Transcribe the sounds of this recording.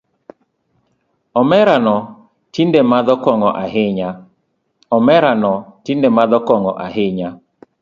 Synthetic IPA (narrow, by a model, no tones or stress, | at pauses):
ɔmɛɾanɔ | tindemad̪ɔkɔŋɔʔaɦɪɲa | ɔmɛɾanɔtindemad̪ɔkɔŋɔʔaɦɪɲa